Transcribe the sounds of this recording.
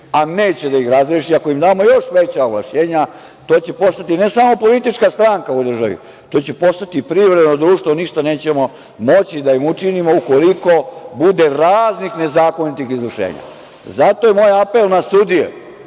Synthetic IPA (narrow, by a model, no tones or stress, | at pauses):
aneːt͡ɕed̪aixɾazɾeʃiako̞imd̪aːmo̞jo̞ʃʋet͡ɕaoɡla̰ʃɲeːɲa | t̪o̞ːt͡ɕepo̞st̪at̪ine̞saːmo̞po̞lit̪it͡ʃkast̪ɾaŋkaud̪r̩ʒaʋḭ | t̪o̞ːt͡ɕepo̞st̪at̪ipɾivɾed̪nod̪ɾuːʂt̪ʋo̞niʃt̪ane̞ːt͡ɕemo̞ | mo̞t͡ɕid̪aimut͡ʂinimo̞uko̞liko̞bud̪e̞ɾaːznixne̞zaːko̞nit̪ixizɾurʃḛːɲa̰ | zat̪o̞jemoːjapelˠnasud̪ijḛ